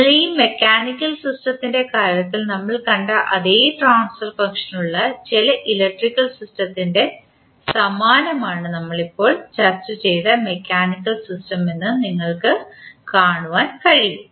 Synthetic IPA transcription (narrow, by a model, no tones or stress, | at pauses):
ɐɭiːme̞kʲːaːnikʲːɐlsisʈɐt̪ːinde̞kaːɾjɐt̪ːilnɐmːɐɭkɐɳɖaʔɐðeːʈraːnsfɐrfɐŋkʂɐnuɭːɐt͡ɕelɐʔilɐk̚ʈrikːɐlsistɐt̪ːinde̞ | sɐmaːnɐmaːɳɨnɐmːɐɭipːo̞ːɭt͡ɕɐrt͡ɕɨt͡ɕe̞jðɐme̞kʲːaːnikːɐlsistɐme̞nːɨniŋːɐɭkɨkaːɳuʋaːnkɐɻijum